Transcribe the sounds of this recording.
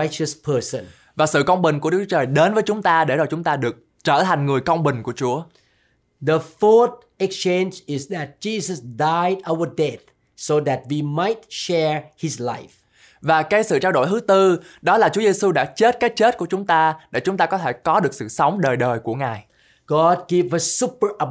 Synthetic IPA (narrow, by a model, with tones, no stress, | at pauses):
jt͡ʃəspʰəsə̰̃n | vaː˨˩sɨ̰˧˨kə˧wŋ͡mɓï˨˩ŋ̟ku˧˩əɗɨ˦k̚u̥˩˦t͡ɕəː˨˩jɗe˨˦nvəː˨˦jt͡ɕʊ˨˦ŋ͡mt̪aː˧ɗe˧˩zaː˨˩jt͡ɕʊ˨˦ŋ͡mt̪aː˧ɗɨ˨˩ək̚ | t͡ɕəː˧˩t̪ʰa˨˩jŋ̟ŋɨ˨˩əjkə˧wŋ͡mɓï˨˩ŋ̟ku˧˩ət͡ɕu˨˦ə | ðəfɔt | ɛkst͡ʃẽnd͡ʒɪzðæt̚d͡ʒizəsdajdawədɛt̪̚ | soðæt̚wimajt̚ʃɛɹhɪzla̰ɪf | vaː˨˩ka˨˦jsɨ̰˧˨t͡ɕaː˧wɗo̰˧˩˨jɦɨ˨˦t̪ɨ˧ɗɔ˨˦laː˨˩t͡ɕu˨˦əze˧su˧ɗa̰ː˧˥t͡ɕe˦˥t̚kaː˨˦jt͡ɕe˦˥t̚ku˧˩ət͡ɕʊ˨˦ŋ͡mt̪aː˧ɗḛ˧˩t͡ɕʊ˨˦ŋ͡mt̪aː˧kɔ˨˦t̪ʰe˧˩kɔ˨˦ɗɨ˨˩ək̚sɨ̰˧˨sə˨˦wŋ͡mɗəː˨˩jɗəː˨˩jku˧˩əŋaː˨˩j | ɡ̥ɔd̚ɡivəsu˦pə˞ʔə